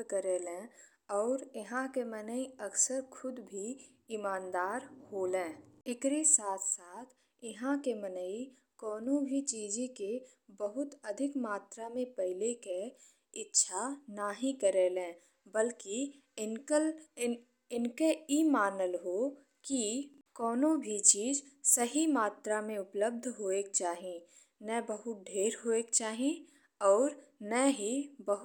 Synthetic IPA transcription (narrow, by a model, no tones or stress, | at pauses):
kəɾeːlẽ | ɔːɾɪɦãkemənəiəksəɾkʰʊd̪bʱi | imãːnd̪aːɾhoːlẽːɪkɾisaːt̪ʰsaːt̪ʰ | ɪɦãkemənəi | kɔːnõbʱit͡ʃiːd͡ʒeke | bəɦʊt̪əd̪ʱɪkmaːt̪ɾamẽpɛɦɪleke | ɪtːʃʰanaːɦĩkəɾeːlẽː | bəlki | ɪnkɪ | ɪnkeimaːnəlɦo | ki | kɔːnõbʱit͡ʃiːd͡ʒsɐɦimaːt̪ɾamẽʊpləb̚d̪ʱɦoːeːk̚t͡ʃaːɦĩ | nɛ̃bəɦʊt̪̚ɖʱeːɾɦoːeːkt͡ʃaːɦĩ | ɔːɾnɛːɦibəɦʊ